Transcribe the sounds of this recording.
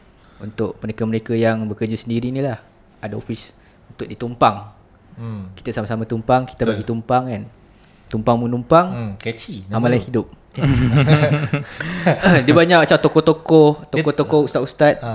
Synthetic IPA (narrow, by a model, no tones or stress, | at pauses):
unt̪ʊk̚məɾekaməɾekajaŋbəkəd͡ʒasəndiɾinilah | adao̰fis | unt̪ʊk̚dit̪umpaŋ | ki̥t̪asamasamat̪umpaŋki̥t̪abaɡit̪umpaŋan | t̪umpaŋmunumpaŋkɛt͡ʃiamalajhidʊp̚ | ja | dibaɲaʔpat͡ʃat̪okɔht̪okɔht̪okɔt̪okɔhust̪at̪̚ust̪at̪̚